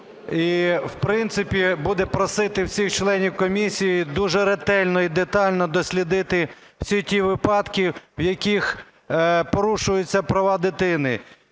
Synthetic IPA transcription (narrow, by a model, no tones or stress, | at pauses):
iwpɾɪnt̪sɪpʲibud̪ɛpɾɔsɪt̪ɪwsʲixt͡ʃlˠɛnʲiwkɔmʲisʲijid̪uʒɛɾet̪ɛlʲnɔid̪et̪ɑlʲnɔd̪ɔsʲlʲid̪ɪt̪ɪ | w̥sʲitʲiʋɪpɑd̪kʲiwjɐkʲix | pɔɾuʃʊjʊt͡sʲːɐpɾɐʋɑd̪ɪt̪ɪnɪ